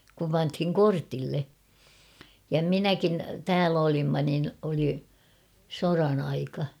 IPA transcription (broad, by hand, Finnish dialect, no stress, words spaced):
kum pɑnthiŋ kortilːe jɑ minækin tæːl olimːɑ nin oli sorɑn ɑikɑ